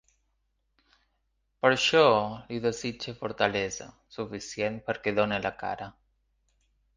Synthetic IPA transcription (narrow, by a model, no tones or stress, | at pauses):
pəɾʃɔliðəzid͡ʒefoɾt̪aleza̰ | sufisjen̚pəɾkeðonelaka̰ɾa